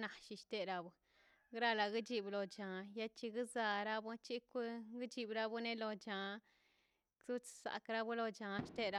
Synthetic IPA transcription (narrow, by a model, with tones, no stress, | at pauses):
na˨˧ʃi˧ʃt̪e˧ɾa˧bu˧ | ɡɾa˦la˧ɡi˦d͡ʒi˧blo˧t͡ʃa˨ja˦t͡ʃi˧ɡɨ˦za˧ɾa˦bʷu˦t͡ʃi˦kʷi˦ɡt͡ʃi˧˨bɾa˦bu˦ne˦lo˧t͡ʃa˨ | su˦t͡ssa̰˨kɾa˦bu˦lo˧t͡ʃa˨˧ʃt̪e˦ɾa˧˦